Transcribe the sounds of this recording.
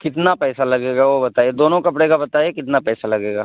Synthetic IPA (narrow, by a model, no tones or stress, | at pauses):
kɪt̪napɛːsalɐɡeːɡaʋobɐt̪aːjed̪oːnõkɐpɽekabɐt̪aːjekɪt̪napɛːsalɐɡeːɡa̰ː